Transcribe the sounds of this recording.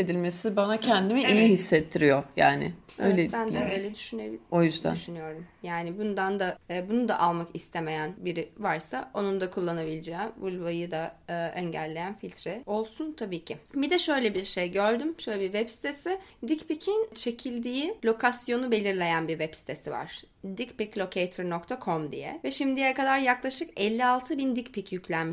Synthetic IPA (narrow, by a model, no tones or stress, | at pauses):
ed̪ilʲmesibanacʰɛnd̪imiijihisːet̪ʰːiɾijoja̰ːnɪ̰ | ø̰jlʲɛbænd̪ɛø̞jlʲɛd̪yʃynebiojyzd̪æ̰ʃynyjo̞ɾd̪umjaːnɪbund̪and̪aːbunud̪a̰ʔalˠmakist̪ʰeme̞jænbiɾivaɾsao̞nund̪akʰulˠːanabilʲid͡ʒɛːbulʲvajɯd̪aːʔɛɲɟælʲːe̞jænfilʲt̪ʰɾɛo̞lˠsunt̪ʰabiːcʰibid̪ɛʃø̞jlʲɛbiɾʃejɟøɾd̪ymʃøjlʲɛbiɾvɛpsi̥t̪ʰesɪd̪icpicʰint͡ʃʰe̞cʰilʲd̪iːilʲo̞kʰasjo̞nube̞lʲiɾlʲe̞jænbiɾvɛbsi̥t̪ʰesiva̰ɾ̥ | d̪icpiclʲo̞cʰejt̪ʰɯɾnokt̪ʰakʰo̞md̪ḭjɛ̰vɛʃimd̪ijɛkad̪aɾjaklˠaʃɯkɛlʲːialˠt̪ʰɯbind̪icpʰicjycʰlʲænm